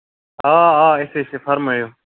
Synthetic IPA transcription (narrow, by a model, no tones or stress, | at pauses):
aːaːɪseːɪseːfʰəɾmɦəjoː